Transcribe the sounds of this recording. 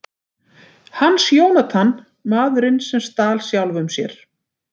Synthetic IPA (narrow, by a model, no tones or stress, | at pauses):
hanːsjoːwnat̪ʰanː | maːðʏɾɪnsɛmst̪aːlsjawlvʏmsjɛɾ̥